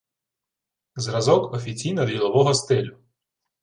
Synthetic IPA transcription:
zɾɐzɔkɔfʲit͡sʲijnɔd̪ʲilˠɔʋɔɦɔst̪ɪlʲʊ

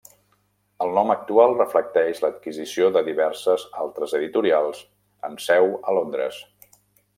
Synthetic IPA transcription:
əlˠnɔmək̚t̪ualˠrəflək̚t̪ɛʃlət̪̚kizisioðəðiβɛɾsəzalˠt̪ɾəzəðit̪uɾialˠz̥ | ə̰msɛwəlond̪ɾə̰s

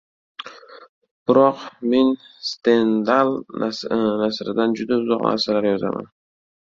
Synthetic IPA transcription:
b̥ɪɾɒqme̞n | st̪e̞nd̪alˠ | nasɾɪd̪and͡ʒʊd̪aʊzɒqna̰ɾsalaɾjɒza̰ma̰n

